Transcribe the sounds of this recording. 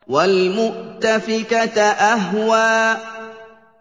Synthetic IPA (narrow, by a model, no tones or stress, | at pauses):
walmʊʔt̪afɪkat̪ʔaɦwaː